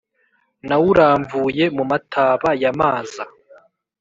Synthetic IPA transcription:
nawuɾaːɱvuje̞mumatʰaːβajamaːzza

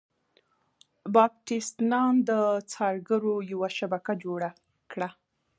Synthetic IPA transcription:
bɑb̚ʈist̪nɑnd̪ət͡sɑɾɡəɾojawaʃabakad͡ʒoɽa | kɽa

